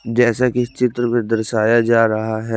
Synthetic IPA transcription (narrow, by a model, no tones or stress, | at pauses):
d͡ʒɛːsakɪt͡ʃɪt̪ɾəmẽd̪ɐɾʃaːjad͡ʒaːɾɐɦaɦɛ